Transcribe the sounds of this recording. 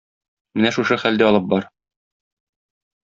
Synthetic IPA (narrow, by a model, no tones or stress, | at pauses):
mɘnæʃuʃɤχæld̪æɒlˠɤp̚bɒɾ